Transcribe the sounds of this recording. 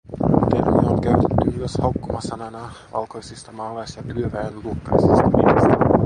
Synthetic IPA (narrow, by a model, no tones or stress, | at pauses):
ut̪enḛneoŋkæɥt̪et̪ːyyøshɑukːomɑsɑnɑnɑʋɑ̰lkojsist̪ɑmɑːlːɑjsjɑkyøʋæjenluokːɑjsist̪ɑmḭest̪æ